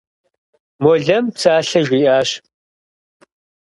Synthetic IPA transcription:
mɔɮɐmpsaːɬɐʒʷiːʔaːɕ

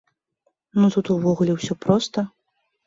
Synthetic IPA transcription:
nut̪ut̪uvɔɣulʲɛwsʲɔpɾɔst̪ɐ

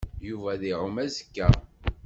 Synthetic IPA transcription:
juvæðiʕʊmæzəkːæ

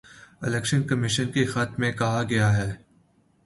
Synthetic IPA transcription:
ɪlɛːkʃənkɐmɪʃənkexat̪mẽkɐɦaɡɐjaɦɛː

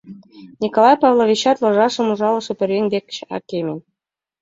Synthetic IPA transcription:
nʲikolˠɑjpɑvlˠoʋʲit͡ɕːɑt̪lˠɤ̆ʐɑʂɤ̆muʐɑlˠɤ̆ʂɤ̆pʲɘ̆rʲenʲd̪ʲekʲt͡ɕɑ̰kʲːemʲĕnʲ

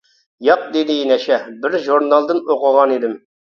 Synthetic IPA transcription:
jɑq̚d̪ed̪ɪinɛʃɛbɪɾʒuɾnɑlˠd̪ɨnoqʊʁɑnid̪ɪm

